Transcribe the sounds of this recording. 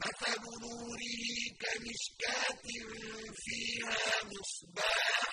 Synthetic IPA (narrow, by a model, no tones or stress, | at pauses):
ʔasabʊɾuːɾɪkamɪʃkaːt̪ɪmfiːhaːmʊsbɑː